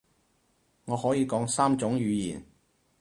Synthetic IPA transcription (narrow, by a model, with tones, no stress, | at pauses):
ŋɔː˨˧hɔː˨˥jiː˨˧kɔː˨˥ŋsaː˥mt͡ʃʊ˨˥ŋjyː˨˧jḭː˨˩n